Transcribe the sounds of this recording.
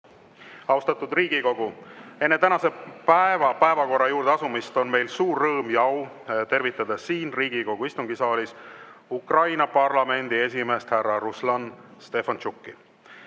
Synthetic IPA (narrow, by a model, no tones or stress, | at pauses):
ɑwst̪ɑt̪ˑud̪riːɡiko̞ɡ̥ue̞nːe̞t̪ænɑse̞pæevɑpæevɑko̞rːɑjuːɾd̪eɑsumist̪o̞nme̞jlsuːrːɤːmjɑw | t̪e̞rvit̪ːˑɑd̪ɑsiːnriːɡ̥iko̞ɡ̥uist̪uŋɡisɑːlʲisukrɑjnɑpɑrlɑme̞nd̪̥ie̞s̬ʲime̞ːst̪hærːɑɾuslɑnst̪e̞fɑnt͡ʃukːi